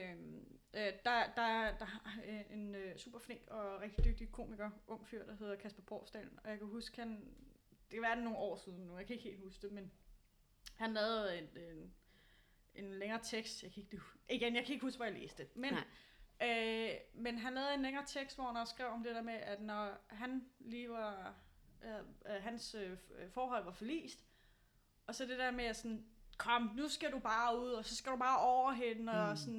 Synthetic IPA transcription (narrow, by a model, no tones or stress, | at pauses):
øm | d̥ɑ̈d̥ɑ̈æd̥ɑ̈ɦe̝nøsṵːb̥ɐfle̝ŋ̰ɡ̥ɒ̽ʁeɡ̥d̥id̥øɡ̥̚d̥ikʰo̝miɡ̥ɐʔɔ̽ŋ̰fyɐ̰d̥ɑ̈ɦe̝ð̞ˠɐkʰæsb̥ɐb̥ʁɔ̰ːsd̥æ̰lnɒ̽jɑ̈kʰæɦusɡ̥hæn | d̥e̝kæʋæɐd̥enːo̝ːn̩ɒ̰ːsið̞ˠn̩ːujɑɪkʰæe̝ɡ̥he̝̰ːlhusɡ̥d̥e̝men | hænlɛːð̩ˠe̝de | ʔe̝nleŋɐːt͡sʰeɡ̥sd̥jɑ̈ɪkʰæe̝ɡ̥d̥eiɡ̥enjɑɪkʰæe̝ɡ̥husɡ̥ʋæjäle̝̰ːsd̥emen | ømenɦænlɛːð̩ˠe̝nleŋɐːt͡sʰeɡ̥sd̥ʋɒhnsɡ̥ʁɛʊɒ̽md̥ed̥eɐmeʔæd̥nɒɦænliːʋɑ | ɦænsøfɒːɦɒ̽l̰ʋɑ̈fɒlḭːsd̥ | ɒ̽sɒd̥e̝d̥eɐmeæsɒnkʰɒ̽m̰nusɡ̥ædub̥ɑ̈ːuð̞̰ˠɒ̽sɒ̽sɡ̥æɾ̥ub̥ɑ̈ːʔɒʊ̰ɐɦe̝nəɒsɒn